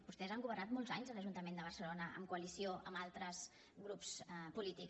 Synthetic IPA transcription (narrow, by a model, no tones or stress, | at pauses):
bust̪ɛzaŋɡuβərnat̪mɔlˠzaɲzələʒunt̪əmend̪əβərsəlonəə̰mkuəlisioʔəmalˠt̪ɾəz | ɣɾupspulit̪ik